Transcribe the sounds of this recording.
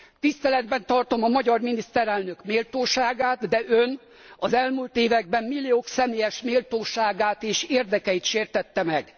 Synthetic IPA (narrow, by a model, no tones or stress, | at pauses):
t̪ist̪ɛlɛd̪bɛnt̪ɒrt̪o̞mɒmɒɟɒrminist̪ɛɾɛlnø̞kmeːlt̪oːʃaːɡaːt̪d̪ɛʔøn | ɒzɛlmult̪eːvɛɡ̚bɛmmilːijoːksɛmeːjɛʃmeːlt̪oːʃaːɡaːt̪eːʃeːrd̪ɛkɛjit̪ʃeːrt̪ɛt̪ːɛmɛɡ